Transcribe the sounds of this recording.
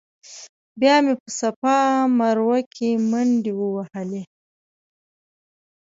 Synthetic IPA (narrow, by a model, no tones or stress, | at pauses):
bjɑmepəsapɑmaɾwakʰemaɳɖewəwahəle